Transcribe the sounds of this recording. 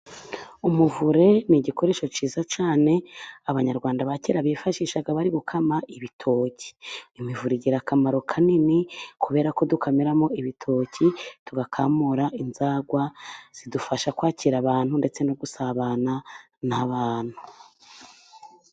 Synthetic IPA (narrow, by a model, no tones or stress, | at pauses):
umuvuɾe̞niɟiko̞ɾe̞ːʃo̞t͡ʃiːzat͡ʃaːne̞aβaɲaɾɡwaːndaβaceɾaβifaʃiʃaɡaβaɾiɡukʰamaʔiβitʰo̞ːcʰi̥imivuɾiɟiɾakʰamaɾokʰaninikuβe̞ːɾako̞dukʰameɾamo̞iβitʰo̞ːcituɡakʰamuɾaʔinzaːɡwaz̥idufaʃakwaːcʰiɾaβaːn̥hunde̞t͡se̞noɡusaβana | naβaːn̥hu